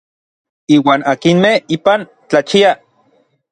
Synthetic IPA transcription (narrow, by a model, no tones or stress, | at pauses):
iːwaːnakinmehiːpan | t͡ɬat͡ʃia